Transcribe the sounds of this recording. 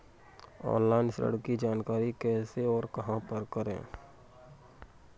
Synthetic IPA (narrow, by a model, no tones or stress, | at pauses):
ɔ̰̃ːnlaːɪnsɾə̰ɽkid͡ʒaːnkaːɾikɛːseɔːɾkɐɦãpəɾkɐɾḛ̃ː